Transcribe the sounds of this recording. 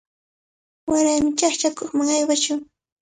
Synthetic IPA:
waɾajmɪt͡ʃaχt͡ʃakoχmaŋajwaʃʊŋ

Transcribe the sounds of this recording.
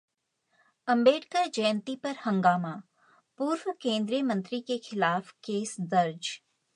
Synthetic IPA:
ɐ̃mbeːʈkəɾd͡ʒɐjnt̪ipɐɾhɐ̃ŋɡaːmaː | puːɾwkẽːnd̪ɾijəmɐ̃nt̪ɾikexɪlaːfkeːsd̪ɐɾd͡ʒ

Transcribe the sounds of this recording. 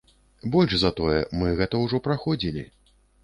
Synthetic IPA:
bɔlʲʐzɐt̪ɔjɛ̰mɨɣɛt̪ɐwʐɔpɾaxɔd͡zʲilʲḭ

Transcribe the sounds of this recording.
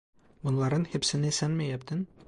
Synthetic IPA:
bŏnlˠɑɾɤnhɘ̆psɘ̆nɘsænmæjæp̚t̪ɘn

